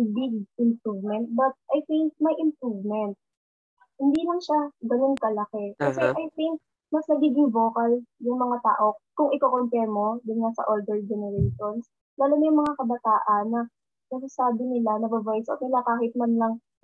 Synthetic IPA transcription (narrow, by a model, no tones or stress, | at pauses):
bɪɡ̚ʔɪmpɹuvmɛnt̪̚bɐt̪̚ʔajθɪŋk̚mɐjʔɪmpɹuvmɛnt̪̚ | hɪnd̪iːlɐŋʃaɡɐno̞nkɐlɐkɛkɐsɛʔajt̪ɪŋk̚ | mɐsnɐɡiːɡɪŋvo̞ːkɐljʊŋmɐŋat̪a̰ːʔo̞kʊŋʔɪkokont̪ɛmo̞d̪ʊnŋasɐ̰ʔold̪ɛɹd͡ʒɛnɛɹɛjʃons | laːlomɐjʊŋmɐŋakɐbɐt̪aːʔɐnːɐ | nɐsʊsaːbɪnɪlanɐbɐbajso̰t̪̚nɪlakaːhɪt̪̚mɐnlɐŋ